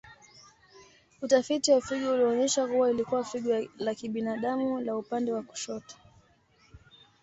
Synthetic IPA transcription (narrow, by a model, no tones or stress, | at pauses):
utafitiwafiɠɔuliɔɲɛʃakuwailikuwafiɠɔlakiɓinaɗamulaupandɛwaku̥ʃɔtḁ